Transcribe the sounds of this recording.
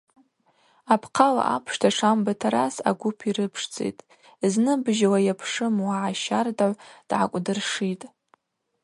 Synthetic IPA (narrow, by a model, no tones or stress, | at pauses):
apʰqʰala̰ʔa̰pʰʂtʰaʈ͡ʂʰambatʰaɾasa̰ɡʷʊpʰiɾɨpʰʂt͡sʼḛjtʼ | znɨbʒawajapʰʂɨmwaʕaʃardaʕʷd̥ʕa̰kʷʼdɨrʂitʼ